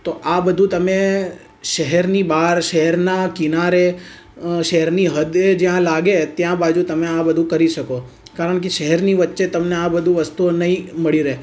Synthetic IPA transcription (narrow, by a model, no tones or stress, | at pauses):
t̪oʔabəd̪ʱũt̪əme | ʃəɦɛɾnibaɾʃəɦɛɾnakɪnaɾe | ʃəɦɛɾniɦəd̪ed͡ʒjãlaɡet̪jãbad͡ʒũt̪əmeabəd̪ʱũkəɾiʃəko | kaɾəɳ̃k̬eʃəɦɛɾniʋətːʃet̪əmneabəd̪ʱũʋəst̪uonəɦĩməɭiɾee